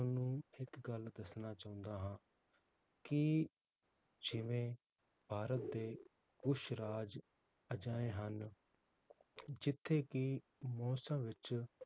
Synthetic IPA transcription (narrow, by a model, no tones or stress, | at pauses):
ʊnũːɪkɡəld̪əsnaːt͡ʃaːʊ̃nd̪aːɦãː | kɪ | d͡ʒɪʋẽː | paːɾət̪̚d̪eː | ɡʊʃɾaːd͡ʒ | əd͡ʒaːẽːɦən | d͡ʒɪt̪ʰːeːkɪ | mɔːsãːʋɪt͡ʃ